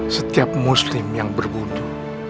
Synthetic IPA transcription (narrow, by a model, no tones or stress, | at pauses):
sət̪iap̚muslɪmjaŋbərbud̪u